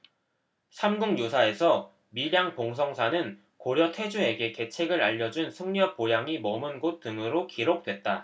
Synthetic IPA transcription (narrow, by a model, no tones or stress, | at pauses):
sʰamɡuŋjosʰae̞sʰʌ | miɾjaŋpoŋsʰʌŋsʰanɯn | koɾjʌtʰwe̞d͡ʑuɦe̞ɡe̞ke̞t͡ɕʰe̞ɡɯɾaʎːʌd͡ʑunsʰɯŋɲʌpojaŋimʌmɯnɡot̚t͈ɯŋɯɾokiɾok̚t͈we̞t̚t͈a